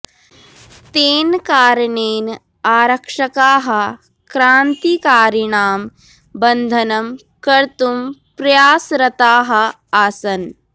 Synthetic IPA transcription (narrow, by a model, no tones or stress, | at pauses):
t̪eːnkaːɾɐɳeːn | aːɾɐkʂɐkaːɦɐ̆ | kɾaːnt̪ikaːɾiɳaːm | bɐnd̪ʱɐnɐm | kɐɾt̪umpɾɐjaːsɾɐt̪aːɦɐ̆ | aːsɐn